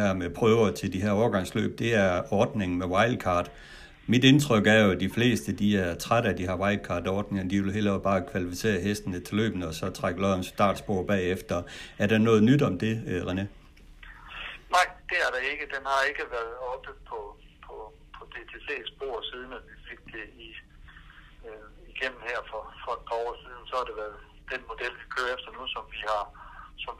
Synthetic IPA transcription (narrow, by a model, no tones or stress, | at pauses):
æɐmepʰʁœːʊɐt͡sʰe̝ldiɦæɐɒːɐɡ̥ɑ̈ŋ̰slø̰ːb̥̚d̥e̝æɐɒːd̥ne̝ŋn̩mewɑ̈ɪlkʰɑ̰̈ːd̥ | mid̥e̝nt͡sʰʁœɡ̥æɐjo̝d̥ifle̝̰ːsd̥əd̥iæɐt͡sʰʁaɾəæd̥iɦɑ̈wɑ̈ɪlkʰɑ̈ːd̥ɒːd̥ne̝ŋnd̥iʋe̝lɦe̝̰ldɒb̥ɑ̈ːkʰʋælifise̝̰ːɐɦesd̥ənət͡sʰe̝lø̰ːb̥nəɒ̽sɒ̽t͡sʰʁaɡ̥əlɒɒmsd̥ɑ̰̈ːd̥sb̥o̝ɐ̰b̥ɛ̰ːefd̥ɐæɐɾ̥ɑ̈nɔ̽ːð̩ˠnyd̥ɒ̽md̥e̝ʁene | nɑ̈ɪ̰d̥e̝æɐɾ̥ɑ̈e̝ɡ̥əd̥enhɑ̈e̝ɡ̥əʋæɐð̩ˠɒ̽b̥əpʰɒ̽ | pʰɒ̽ | pʰɒ̽d̥e̝t͡sʰe̝se̝̰ːsb̥o̝ɐ̰siːð̞ˠn̩æʋife̝ɡ̥̚d̥e̝i | iɡ̥em̰mn̩heɐ̰fɒ̽fɒ̽d̥pʰɑ̈ɒ̰ːsið̞ˠn̩sɒ̽hɑ̈d̥e̝ʋæɐðˠ | d̥enmo̝d̥el̰ʋikʰøːɐefd̥ɐnusɒ̽mʋihɑ̈sɒ̽m